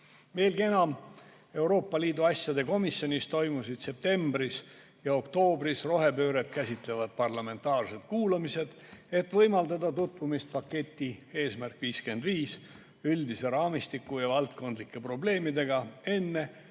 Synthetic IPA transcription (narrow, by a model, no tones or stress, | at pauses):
ve̞ːlɡie̞nɑm | e̞wɾo̞ːpːˑɑliːd̪uɑsʲjɑd̪e̞ko̞misjo̞nist̪o̞jmusid̪̥se̞p̚t̪e̞mbris | jɑo̞kt̪o̞ːbrisro̞ɦe̞pø̞ːɾe̞t̪kæsʲit̪le̞vɑd̪̥̚pɑrlɑme̞nt̪ːˑɑːrse̞t̪kuːlɑmise̞d̪̥ | e̞t̪ːvɤjmɑld̪ɑd̪ɑt̪ut̪vumist̪̚pɑkːe̞t̪ʲːie̞ːsmærkviːske̞nd̪viːs | yld̪ise̞ɾɑːmist̪ikːˑujɑvɑlt̪̚ko̞nd̪likːˑe̞pro̞ble̞ːmid̪e̞ɡɑe̞nːe̞